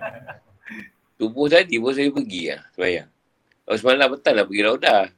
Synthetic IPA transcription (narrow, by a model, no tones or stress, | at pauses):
t̪ubʊht̪adibos̬ajupəɡia̰hsəbaja̰ŋ | as̬malabət̪aŋnlapəɡilawda